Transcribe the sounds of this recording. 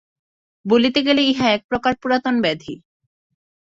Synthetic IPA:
bolit̪eɡeleiɦaɛk̚pɾokaɾpuɾat̪onbɛd̪ʱḭ

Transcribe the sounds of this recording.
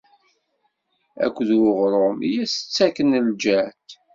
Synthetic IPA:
æ̰kʷːðwʊʁɾˤomijæsə̥t͡sːækənəld͡ʒæt̪

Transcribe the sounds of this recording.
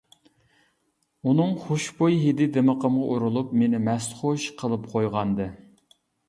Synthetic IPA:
unɨŋχoʃbojɦed̪ɪd̪eməqəmʁɑʔuɾulˠupmenɪmɛsχoʃqʰəlˠɨpqʰojʁɑnd̪ɨ

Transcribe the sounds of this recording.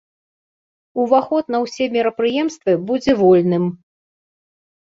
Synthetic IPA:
uvaxɔt̪nɐwsʲɛmʲiɾɐpɾɨjɛmst̪vɨbud͡zʲɛvɔlʲnɨm

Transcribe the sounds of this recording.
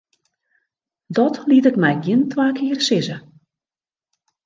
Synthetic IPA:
dɔtliətɪkmɛjɡjɪəntwaːkʰɪːərsɪzə

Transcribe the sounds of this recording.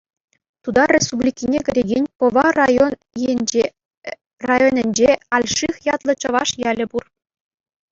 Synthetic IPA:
t̪ud̪ɑrʲespublʲikʲinʲekʲɘ̆ɾʲeɡʲenʲpɤ̆ʋɑn | e | rɑjonʲɘ̆nʲd͡ʑeɑlʲʂixjɑt̪lˠɤ̆t͡ɕɤ̆ʋɑʂjælʲɘ̆bur

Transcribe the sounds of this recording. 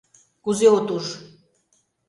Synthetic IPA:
kuzeot̪uʒ

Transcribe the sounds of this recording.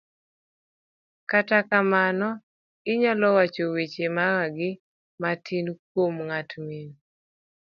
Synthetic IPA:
katakamanɔ | ɪɲalɔwat͡ʃowit͡ʃemaɣaɡɪ | matʰink̚womŋatmin

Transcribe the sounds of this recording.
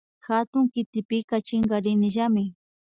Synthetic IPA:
xat̪ʊŋkɪt̪ɪpɪkat͡ʃɪŋɡaɾɪnɪʒamɪ

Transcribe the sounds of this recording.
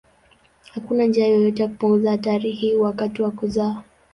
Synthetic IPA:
hakunand͡ʒiajɔjɔtɛjaku̥puŋɡuzaataɾihiwakatiwakuzaː

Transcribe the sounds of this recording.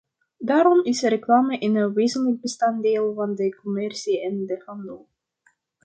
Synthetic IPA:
daːɾɔmɪsərəklaːməʔɪnənʋeːzənlək̚bəstɑndeːlˠvɑndəkɔmɛrsiɛndəχɑndo

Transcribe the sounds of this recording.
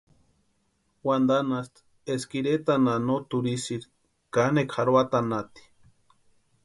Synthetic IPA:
wand̪anast̪ | eskiɾet̪ananot̪uɾisiɾ | kanekhaɾwat̪anat̪i̥

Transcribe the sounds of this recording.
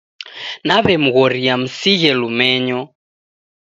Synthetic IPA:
naβɛm̩ɣɔɾiam̩siɣɛlumɛɲɔ

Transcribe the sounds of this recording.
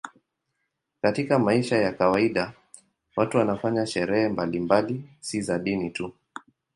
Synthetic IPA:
katikamaiʃajakawaiɗa | watuwanafaɲaʃɛɾɛhɛmbalimbalisizaɗinitu

